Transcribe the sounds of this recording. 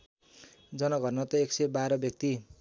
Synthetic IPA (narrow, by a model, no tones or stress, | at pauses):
d͡zʌnʌɡʌrnʌt̪ʌeksebaɾʌbjʌk̚t̪i